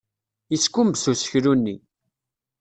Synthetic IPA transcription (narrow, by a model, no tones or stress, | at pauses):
iskːumbsusə̥çɾunːi